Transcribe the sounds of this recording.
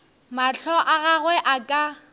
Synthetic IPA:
maɬʰɔʔaɣaɣwɛʔakʼa

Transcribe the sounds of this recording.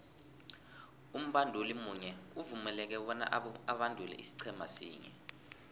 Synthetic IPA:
um̩ɓandʱolimuɲɛuvumɛlɛk̬ɛwɔna̰ʔaɓandʱulɛ̰ʔisi̥ǀʰɛma̰sḭːɲɛ̰

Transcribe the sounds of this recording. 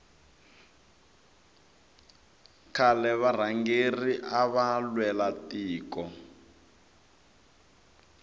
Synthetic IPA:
kʰalɛβar̤aŋɡeriʔaβalwɛlatiːkɔ

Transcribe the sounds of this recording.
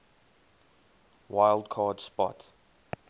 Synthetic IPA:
waɪlˠdkʰɑːd̥spɔ̰t

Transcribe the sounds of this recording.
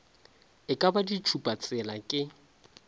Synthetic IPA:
ɪkʼabadit͡ʃʰupʼat͡sʼɛlakʼɪ

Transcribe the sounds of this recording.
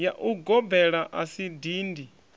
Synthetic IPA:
jaʔuɡɔbɛɺaʔasidiːndi

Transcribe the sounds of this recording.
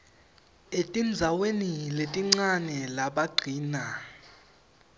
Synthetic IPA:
etʼind͡zʱaweniletʼiŋ͡ǀanɛlaɓaɡ͡ǀʱiːna

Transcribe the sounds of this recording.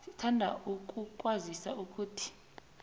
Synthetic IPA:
sitʰandʱa̰ukʼukʼwazisa̰uk̬ʰʼuːtʰi̥

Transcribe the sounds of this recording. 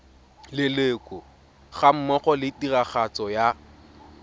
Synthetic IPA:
lɪlekʼʊ | χam̩mɔχɔlɪtiraχat͡sʼɔja

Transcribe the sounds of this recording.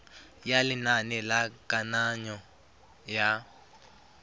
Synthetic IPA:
jalinanilakʼanaɲɔ | ja

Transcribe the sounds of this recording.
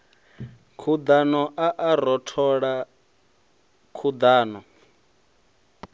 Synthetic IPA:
kʰud̪anɔʔaʔaɾɔtʰɔɺa | kʰud̪aːnɔ

